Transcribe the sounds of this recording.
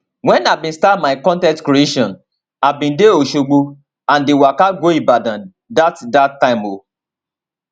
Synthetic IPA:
wɛ̃nabĩnstatmaɪkɔ̃ntɛ̃tkɾieʃɔ̃n | abĩndeoʃoɡ͡bo | ãndewakaɡoibadãn | datdatːãɪmo

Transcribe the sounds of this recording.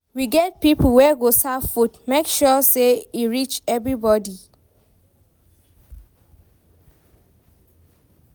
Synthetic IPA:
wiɡɛt̚pipl̩wɛɡosafutmekʃɔseiɹit͡ʃɛvɹibɔdi

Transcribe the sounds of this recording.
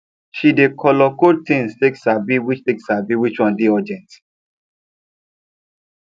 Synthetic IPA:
ʃidekʰɔlɔkotĩnsteksabiwit͡ʃteksabiwit͡ʃɔ̃ndiɔd͡ʒɛ̃nt

